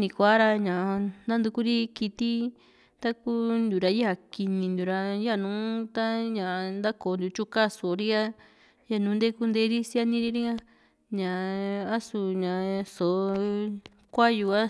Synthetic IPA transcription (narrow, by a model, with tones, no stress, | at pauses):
nĩ˧kʷa˦ɾa˧ɲã˨˧nã˦nd̪u˧ku˦ɾi˦ki˧t̪i˦ | t̪a˦ku˦nd̪u˨ɾa˧ja˧ki˧nĩ˧nd̪u˨ɾa˧ja˦˨nũː˨˦t̪a˦ɲã˨˧nd̪a˦ko˨nd̪u˨t͡ʃu˦ka˦˨so˨˧ɾi˦a˦ | ja˦˨nũː˨˦nd̪e˦ku˧nd̪e˧˦ɾi˦sja˦nĩ˦ɾi˦ɾi˦ɲã˧ | ɲã˨a˦su˧ɲã˨so˨˧ | kʷa˦ju˧a˦